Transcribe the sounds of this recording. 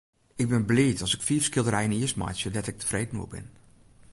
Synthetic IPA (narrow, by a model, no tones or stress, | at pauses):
ɪɡ̚bɪnblɪːtɔsɪkfiːfskɪlˠdərɾɛjəniəstma̰jsjədɛtɪk̚tʰə̥freːdnṵəbɪ̰n